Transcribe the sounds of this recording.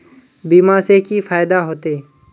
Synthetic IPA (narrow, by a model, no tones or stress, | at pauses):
biːmaːseːkiːfaːɪd̪aːɦoːt̪eː